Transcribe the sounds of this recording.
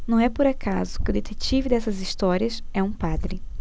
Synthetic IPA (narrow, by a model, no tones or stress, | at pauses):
nɐ̃w̃ɛpʊɾakʰazʊkɪʊd̪et̪et͡ʃivɪd̪ɛsɐzist̪ɔɾiɐsɛũpad̪ɾɪ